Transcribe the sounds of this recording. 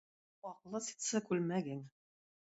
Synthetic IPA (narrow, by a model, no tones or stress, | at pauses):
ɒqlˠɤsi̥t̪sɤkʉlmæɡiŋ